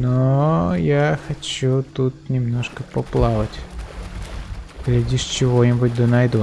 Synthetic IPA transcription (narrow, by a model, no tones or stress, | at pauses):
nojaxɐt͡ɕut̪ut̪nʲɪmnoʂkəpɐplˠavətʲ | ɡlʲɪdʲiʂt͡ɕɪvonʲɪbʊtʲd̪ənɐjd̪u